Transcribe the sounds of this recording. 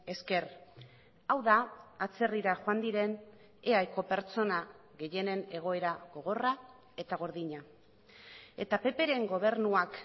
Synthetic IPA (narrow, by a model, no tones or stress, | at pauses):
e̞ske̞r | awðaːt͡se̞riɾaʝoand̪iɾe̞n | eajko̞pe̞ɾt͡so̞na | ɣe̞je̞ne̞ne̞ɣ̞o̞e̞ɾaɣo̞ɣ̞o̞ra | e̞t̪aɣ̞o̞ɾðiɲa | e̞t̪ape̞pe̞ɾe̞ŋɡo̞β̞e̞ɾnuak